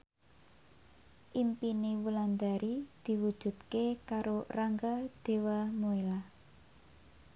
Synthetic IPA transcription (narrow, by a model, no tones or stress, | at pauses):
ʔimpinewuland̪aɾid̪̥i̤wud̥ʒ̥ṳt̪̚kekaɾoraŋɡad̪̥e̤wamoela